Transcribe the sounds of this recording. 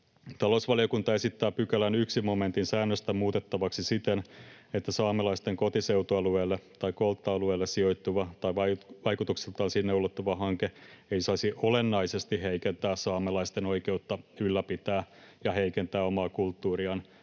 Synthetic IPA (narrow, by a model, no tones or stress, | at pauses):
t̪ɑlousʋɑlijokunt̪ɑesit̪ːæːpykælænyksimoment̪insæːnːøst̪æmuːt̪et̪ːɑʋɑksisit̪enet̪ːæsɑːmelɑist̪eŋko̞t̪iseut̪oɑluelːet̪ɑikolt̪ːɑːluelːessio̞jt̪ːuʋɑt̪ɑjʋɑʋɑjkut̪uksilt̪ɑːnsinːeulːot̪ːuʋɑɦɑŋkeeisɑisiʔolenːɑisest̪iheikent̪æːssɑːmelɑist̪eno̞ikeut̪ːɑylːæpit̪æːjɑheikent̪æːomɑːkult̪ːuːriɑn